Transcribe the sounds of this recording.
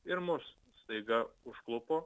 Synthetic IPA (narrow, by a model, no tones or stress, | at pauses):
ɪɾmʊs | st̪ɐɪɡɐʊʃklˠʊpoː